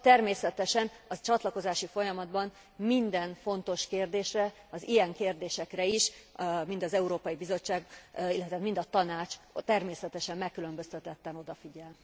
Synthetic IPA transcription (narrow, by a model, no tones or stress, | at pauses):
t̪ɛrmeːsɛt̪ɛʃɛnɒt͡ʃɒt̪lɒko̞zaːʃifo̞jɒmɒd̪bɒn | mind̪ɛnfo̞nt̪o̞ʃkeːrd̪eːʃrɛ | ɒzijɛŋkeːrd̪eːʃɛkrɛiʃmint̪ɒzɛuɾoːpɒjibizo̞t͡ʃːaːɡilːɛt̪ɛaːt̪mind̪ɒt̪ɒnaːt͡ʃt̪ɛrmeːsɛt̪ɛʃɛmːmɛkːylø̞mbøst̪ɛt̪ɛt̪ːɛno̞d̪ɒfiɟɛl